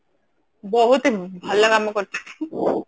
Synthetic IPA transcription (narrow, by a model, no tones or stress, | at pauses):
bɔɦut̪ebʱalːakamɔkɔɾt̪ʰḁke̥